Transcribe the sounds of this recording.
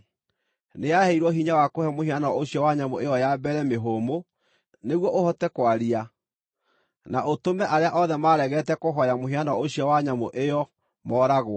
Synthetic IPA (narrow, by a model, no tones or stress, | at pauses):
neaheiɾwɔɦiɲawakohɛmoɦianɔoɕjɔwaɲamoejɔjabɛɾɛmeɦomo | neɣwɔʔohɔtɛkwaɾia | naʔotomɛʔaɾeaʔɔðɛmaːɾɛɣɛtɛkoɦɔjamoɦianɔoɕjɔwaɲamoʔejɔ | mɔːɾaɣwɔ